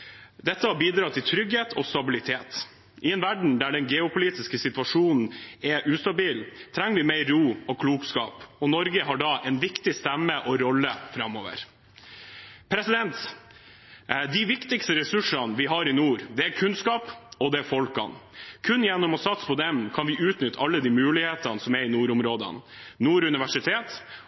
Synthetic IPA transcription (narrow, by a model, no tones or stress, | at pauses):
d̪ɛt̪ːəhɑbiːd̪ɾɑːt̪ʰɪlt̪ʰɾʏɡheːt̪ɔst̪ɑbɪlɪt̪ʰeːt̪ | ʔɪɛnʋæɖɳ̩d̪æɖɛnɡɛʊpʰʊliːt̪ɪskəsɪt̪ʉʋɑʂuːnn̩ɛʔʉːst̪ɑbiːlt̪ʰɾɛŋːəʋɪmeɪɾuːɔkʰluːkskɑ̰ːpɔnɔɾɡəɦɑɖɑːʔɛnʋɪkt̪ɪst̪ɛmːəʔɔɾɔlːəfɾɑmːoːʋə̰ɾ | pʰɾɛsɪd̪ɛnt̪ | d̪ɪʋɪkt̪ɪkst̪əɾɛsʉʂɑnʋɪɦɑɾɪnuːɾd̪ɛæɾkʰʉnskɑːpɔd̪ɛæɾfɔlkɑ̰nkʰʉnjɛnːɔmɔsɑt̪spʰɔd̪ɛmkʰɑnʋɪʔʉːt̪nʏt̪ːəɑlːəd̪iːmʉːlɪheːt̪ɑnəsɔmæɾɪnuːɾʊmɾoːd̪ə̰nnuːɾʉnɪʋæʂɪt̪ʰeːt̪